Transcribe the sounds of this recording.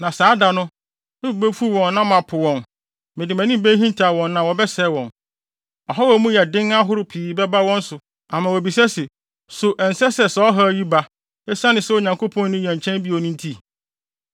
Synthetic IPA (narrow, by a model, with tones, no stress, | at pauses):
nã˨saː˨˦da˨nʊ̃˦ | ɪ˦˨be˦fu˦wɔ̃˨nːã˦mã˨pʰʊ˨wɔ̃˨n | mɪ̃˨dɪ˨mæ̃˨nɪ̃˦m˦be˦ɦĩ˦n˦tʰa˨wɔ̃˨nːã˨wɔ˨bɛ˦sɛ˦˨wɔ̃˨n | ɔ˨ɦɔ˦wɔ˨˦mũ˦jɛ˨dɪ̃˦ŋa˦ɦʊ˦ɾʊ˨pʰiː˨bɛ˦ba˦wɔ̃˦n̩˦sʊ˨ | a˨mã˨wo˨bi˨sɛ˦sɪ˨ | sʊ˨ʔɛ˨n̩˨sɛ˦sɛ˨sɔ˨˦ɔ˦ɦɔ˦ji˦ba˦ | e˦sa˦nɪ̃˨sɛ˦wo˨ɲã˨ŋkʰo˦pʰɔ̃˦nː˦ʊ̃˦jɛæ̃˨ɲ̩˨t͡ɕʰɛ̃˦mbi˦o˨nʊ̃˦n˦tʰi˦